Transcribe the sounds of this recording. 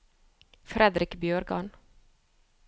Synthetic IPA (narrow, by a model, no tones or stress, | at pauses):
fɾɛd̪ɾɪkbjøːɾɡɑn